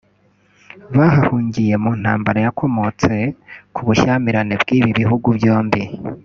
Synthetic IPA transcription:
βaɦahuːɲɟije̞muːn̥haːmbaɾajakʰo̞mo̞t͡se̞kʰuβuʃamiɾanebɡiːβiβiɦuɡuvjo̞ːmbi

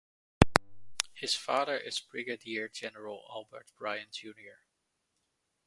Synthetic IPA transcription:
hɪzfɑːðə˞ʔɪz̥bɹɪɡɨdiɹd͡ʒɛnəɹəl̩ˠæ̰lˠbə̰ɹt̚b̥ɹaɪɨ̃nd͡ʒʉniə˞

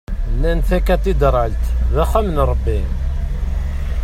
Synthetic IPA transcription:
nænθækæt̪id̪ɾˤəlt̪væχæmənɾˤəbːi

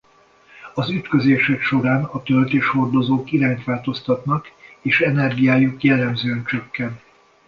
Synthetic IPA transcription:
ɒzyt̪køzeːʃɛkʃo̞ɾaːnɒt̪ølt̪eːʃho̞rd̪o̞zoːkiɾaːɲt̪ʋaːlt̪o̞st̪ɒt̪nɒkeːʃɛnɛrɡijaːjukjɛlːɛmzøːɛnt͡ʃø̞kːɛnt̪

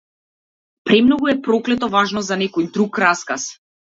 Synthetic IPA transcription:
pɾɛmnɔɡuɛpɾɔklɛt̪ɔvaʒnɔzanɛkɔjd̪ɾukɾaskas

